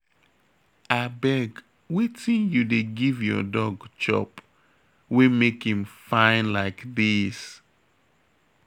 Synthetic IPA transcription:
abɛɡ | witĩnjudeɡivjɔ̰dɔɡt͡ʃɔ̰p | wemekhĩmfãɪ̃nlaɪkðis

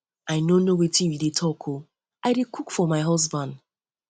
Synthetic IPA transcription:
aɪnonowetĩwidetʰɔkʰo | aɪɾekukfɔmaɪɦɔzbãnd

